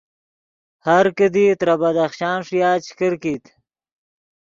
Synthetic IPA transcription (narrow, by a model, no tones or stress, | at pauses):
haɾkəd̪it̪ɾabad̪aχʃɑːnʂijɑːt͡ʃʰkəɾkit̪